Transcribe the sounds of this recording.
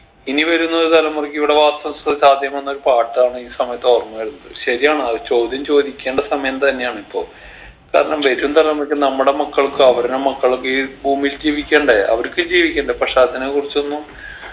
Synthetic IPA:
iniʋɐɾunːɐoɾut̪ɐlɐmːurkːiʋiɽe̞ʋaːst̪ɐmsðsaːd̪ʱjɐmenːo̞ɾupaːʈːaːɳɨiːsɐmɐjɐt̪ːoːrmuʋaːjɾunːɐðɨɕɐɾijaːɳɨɐt͡ɕo̞ːd̪ʱjɐmt͡ɕo̞ːd̪ʱikʲːeːɳɖɐsɐmɐjɐmt̪ɐnːe̞jaːɳɨipːo̞̰ːɭ | ka̰ːɾɐɳɐmʋɐɾumt̪ɐlɐmurkʲːɨnɐmːuɽe̞mɐkːɐɭkːɨɐʋɐɾunemɐkːɐɭokːeibuːmild͡ʑiːʋikʲːe̞ːɳɖeʔɐ̰ʋɐɾkːɨd͡ʑiːʋikʲːeːɳɖɐprɐʂaːd̪ʱːɐnɐekurit͡ɕːo̞nːu

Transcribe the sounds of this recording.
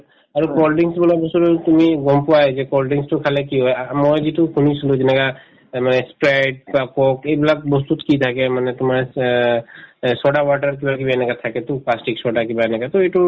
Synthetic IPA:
aɹukolɖiŋsbɔlabɔsuɾt̪umiɡɔmpʊwaɛzɛkolɖiŋstukʰalekiɦɔjmojzitukʰunisuluzɛnɛka | manɛspɹeɖ̚bakɔkejblak̚bɔst̪ut̪kit̪ʰakɛmanɛt̪ʊmaɹ | sɔɖawaʈaɹk̬ibak̬ibaɛnɛkat̪ʰakɛt̪uplasʈiksɔɖakibaɛnɛkat̪ɔeʈu

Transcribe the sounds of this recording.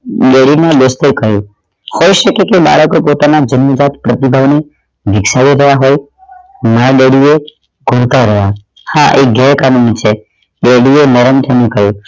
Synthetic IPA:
ɗeɽinãbəst̪ekəɦjũ | hojʃəkekeɓa̰ɭəkopot̪anad͡ʒənːəd͡ʒat̪pɾət̪ibʱaʋne | ʋʱɪksaʋiɾəɦjaɦoj | maɾaɗeɽie | ɡʱoɭt̪aɾəɦja | haʔeɡɛkanumit͡ʃʰe | ɗeɽienəɾənt̪ʰənẽkəɦjũ

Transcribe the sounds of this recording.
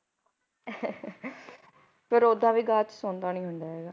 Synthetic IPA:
pəɾod̪ãːʋiːɡaːt͡ʃsoːnd̪aːnĩːɦʊɳɖ̪aːɦɛːɡaː

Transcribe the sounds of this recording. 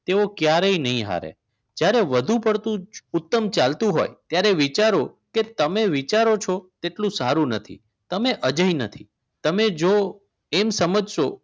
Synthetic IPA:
t̪eʋokjaɾəinəɦĩɦa̰ɾḛ | d͡ʒjaɾeʋəd̪ʱũpəɾt̪ũʊt̪ːəmt͡ʃalt̪ũɦo̰jt̪jaɾeʋit͡ʃaɾoket̪əmeʋit͡ʃaɾot͡ʃʰot̪eʈlũsaɾũnət̪ʰḭ | t̪əmeʔəd͡ʒəɦinət̪ʰi | t̪əmed͡ʒo | emsəməd͡ʒʃo

